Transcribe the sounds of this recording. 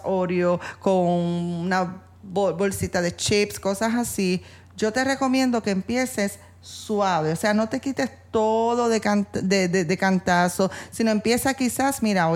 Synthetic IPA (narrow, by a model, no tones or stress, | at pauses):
o̞ɾjo̞ko̞ŋuna | boβo̞lsit̪aðe̞t͡ʃipsko̞sasasi | d͡ʒo̞t̪e̞re̞ko̞mjẽ̞nd̪o̞ke̞ːmpje̞se̞sː | waβeose̞ano̞t̪e̞kit̪e̞st̪o̞ðo̞ðekant̪d̪eðed̪e̞kant̪aso̞sino̞e̞mpje̞sakisasmiɾao